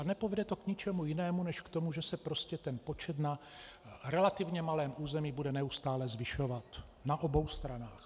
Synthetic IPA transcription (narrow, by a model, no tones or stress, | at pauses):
anɛpovɛdɛt̪o̞kɲɪt͡ʃɛmujɪnɛːmunɛʃkt̪o̞muʒɛsɛpɾo̞scɛt̪ɛnpo̞t͡ʃɛt̪na | ɾɛlat̪ɪvɲɛmalɛːmʔuːzɛmiːbudɛnɛust̪aːlɛzvɪʃovat̪naʔo̞bo̞wst̪ɾanaːx